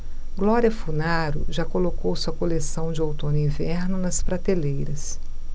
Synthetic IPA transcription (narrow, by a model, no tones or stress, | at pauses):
ɡlɔɾiɐfunaɾʊ̰ʒakolokowsuɐkolesɐ̃w̃d͡ʒɪowt̪õnʊĩvɛɾnʊnɐspɾat̪elejɾɐs